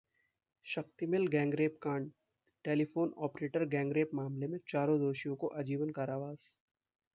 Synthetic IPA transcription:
ʃɐxt̪imɪlɡɛ̃ːŋɡɾeːp̚kãːɳɖ | ʈeːlifoːnɔːpɾeːʈəɾɡɛ̃ːŋɡɾeːpmaːmlemẽt͡ʃaːɾõd̪oːʃijõkoʔɐd͡ʒiːʋənkaːɾaːʋaːz

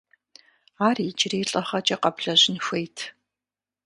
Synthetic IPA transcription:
aːrit͡ʃreːɬʼɐχɐt͡ʃʼɐqɐbɮɐʑɪnxʷejtʰ

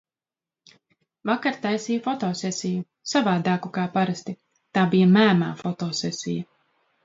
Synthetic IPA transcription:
vakaɾt̪ajsiːjfɔt̪ɔːsʲɛsʲiju | savaːd̪aːkukaːpaɾast̪i | t̪aːbijamæːmaːfɔt̪ɔːsɛsʲijɐ

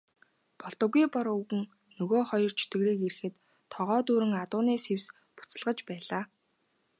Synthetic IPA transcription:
pɔɮt̪ɞ̆ɣujpɔɾuɣɘ̆ŋ | nɵɣoːχɔjɞ̆r̥t͡ɕʰi̥t̪ɡɘ̆ɣɾeːkeɾɘ̆xɘ̆t̪ʰː | ɔʁɔːt̪uːɾɘ̆ŋat̪ʊːneːsews | pʊ̥t͡sə̆ɮʁə̆t͡ɕpæːɮaː

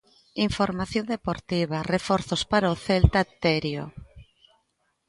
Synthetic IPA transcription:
iɱfoɾmaθjond̪epoɾt̪iβarefoɾθospaɾaoθelt̪at̪eɾjo̰

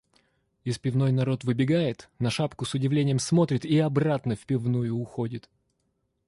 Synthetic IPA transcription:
ɪspʲɪvno̞jnɐɾo̞t̪vɨbʲɪɡajɪt̪nɐʂapkʊsʊdʲɪvlʲenʲɪjəmsmo̞t̪ɾʲɪt̪iɐbrat̪nəfʲpʲɪvnujʊːxo̞dʲɪt̪

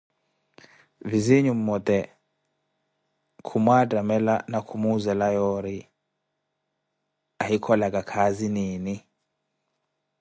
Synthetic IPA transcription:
viziɲum̩mɔt̪ɛ | kʰumwatʼamɛlanakʰumuzɛlajɔɾi | ahikʰɔlakʼakʰaziniːni

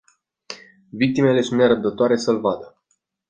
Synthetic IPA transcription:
vik̚t̪ime̞le̞sunt̪neɾəb̚d̪ət̪oaɾe̞səlvad̪ə

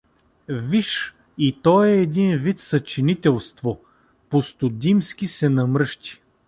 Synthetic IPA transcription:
viʃ | it̪ɔjɛːd̪invit̪sɐt͡ʃinit̪ɛlˠst̪vo | post̪ʊd̪imskʲisɛnɐmɾɤʃt̪i̥

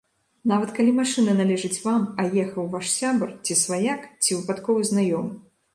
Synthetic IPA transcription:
navɐt̪kalʲimaʂɨnɐnalʲɛʐɐt͡sʲvamajɛxɐwvaʂsʲabɨrt͡sʲisvajakt͡sʲivɨpat̪kɔvɨznajɔm

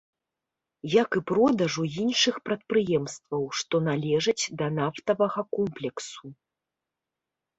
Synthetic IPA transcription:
jakɨpɾɔd̪ɐʐujinʂɨxpɾɐt̪̚pɾɨjɛmst̪vɐwʂt̪ɔnalʲɛʐɐt͡sʲd̪ɐnaft̪ɐvɐɣɐkɔmplʲɛksu

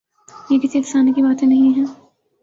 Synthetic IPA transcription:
jekɪsiɪksaːnkibaːt̪ẽnɐɦĩɦɛ̃ː

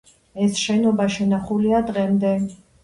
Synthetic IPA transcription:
ɛsʃɛnɔbaʃɛnaχuliad̪ʁɛmd̪ɛ

